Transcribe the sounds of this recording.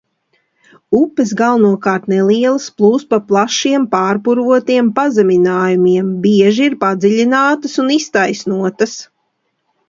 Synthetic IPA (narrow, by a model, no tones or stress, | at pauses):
upːɛsɡalˠnuɔkaːɾt̪nɛlˠiɛlˠəsplˠuːspaplˠaʃiɛmpaːɾpuɾuɔt̪iɛmpazɛmʲinaːjumiɛmbiɛʒiiɾpad̪ziʎʲinaːt̪əsunist̪ajsnuɔt̪ɐs